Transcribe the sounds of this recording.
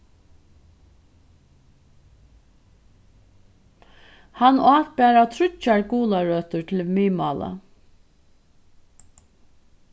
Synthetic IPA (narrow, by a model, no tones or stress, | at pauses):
hanɑːkbæːɾat̪ʰɾʏt͡ʃːaɹkuːlaɹœːt̪ʊɹt̪ʰɪlmiːmɑ̰ːla̰